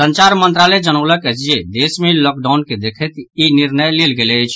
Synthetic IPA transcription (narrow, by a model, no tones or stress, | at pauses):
sənt͡ʃaɾmənt̪ɾaled͡ʒənələkət͡ʃijed̪esmelɔk̚ɖaʊnked̪ekʰɛt̪iniɾnəjlelɡeləjt͡ʃʰ